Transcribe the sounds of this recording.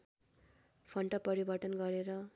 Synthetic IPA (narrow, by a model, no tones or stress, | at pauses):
pʰʌɳʈʌpʌɾibʌʈʌnɡʌɾeɾʌ